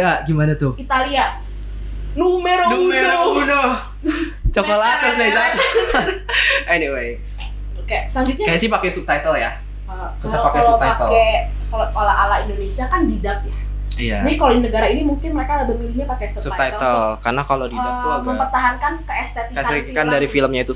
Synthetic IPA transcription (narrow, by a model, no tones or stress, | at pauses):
jaɡimanat̪ʊit̪alia | numeɾonuumeɾouno | t͡ʃokəlakaslesa | ʔɛniwej | okesaɲd͡ʒʊt̪̚ɲakajasɪpakɛsup̚t̪ajt̪əlja | ə | kəadalpakɛlsout̪aak̪əkekaloalaʔalaindonesiakandidak̚ja | ijaaikalodinəɡaɾainimuŋkɪnməɾekalabəmilimɲapakɛsusut̪aj̪t̪əlkarnakalodidauamməmpərt̪aɦankankəɛst̪et̪ikaakandaɾifiləmɲait̪u